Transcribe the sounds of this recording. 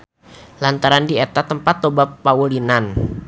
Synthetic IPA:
lant̪aɾandiet̪at̪əmpat̪ːobapːaulinan

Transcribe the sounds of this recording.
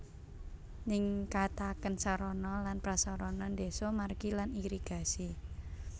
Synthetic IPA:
nɪŋkat̪akənsaɾɔnɔlanpɾasɔɾɔnɔnd̪esɔmarɡilaniɾiɡ̥a̤si

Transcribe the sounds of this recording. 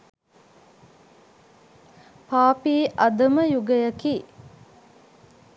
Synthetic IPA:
paːpiːʔɐd̪ɐməjuɡəjɐkiː

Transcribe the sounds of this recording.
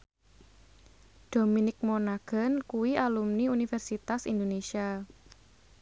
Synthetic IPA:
d̪̥ominɪk̚monaɡ̥ə̤nkuwialumniunifɛrsit̪asḭnd̪onesia

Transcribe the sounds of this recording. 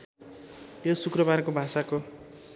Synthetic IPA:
josukrʌbarkobʱasako

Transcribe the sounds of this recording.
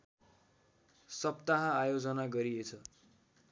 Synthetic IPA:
sʌpt̪aɦãajod͡zʌnaɡʌɾiet͡sʰʌ

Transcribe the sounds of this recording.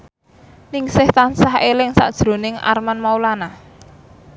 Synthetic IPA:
nɪŋsɪht̪ansahelɪŋsa̰ʔd̥ʒ̥ɾo̤nɪŋa̰rmanmaulana

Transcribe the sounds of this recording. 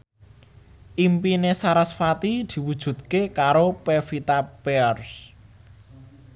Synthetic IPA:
ʔimpinesaɾasfat̪id̪̥i̤wud̥ʒ̥ṳt̪̚kekaɾopefit̪apeɔrs

